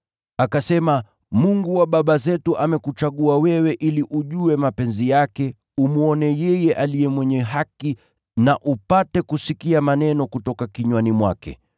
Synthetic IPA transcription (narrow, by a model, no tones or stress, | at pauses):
akasɛma | muŋɡuwaɓaɓazɛtuʔamɛkut͡ʃaɠuawɛwɛʔiliʔuʄuwɛmapɛnzijakɛ | umuɔnɛjɛjɛʔalijɛmwɛɲɛɦaki | naʔupatɛkusikiamanɛnɔkutɔkakiɲwanimwakɛ̰